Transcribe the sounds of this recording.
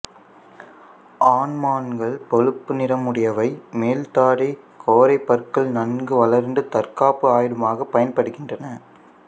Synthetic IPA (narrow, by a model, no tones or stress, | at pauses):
ʔaːnmaːnɡɐɭpɔɻɯpːɯnɪɾɐmɯɽɐjɐʋɐɪmeːlt̪aːɽi | kʰoːɾɐɪpːɐɾkɐɭnɐnɡɯʋɐlɐɾnd̪ɯt̪ɐɾkaːpɯaːjɪɽɯmaːɣɐpːɐjɐnpɐɽɯɣɪndrɐnɐ